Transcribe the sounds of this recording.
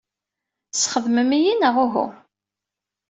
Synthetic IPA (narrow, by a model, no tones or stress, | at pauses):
sχəðməmijinəʁʊɦṵ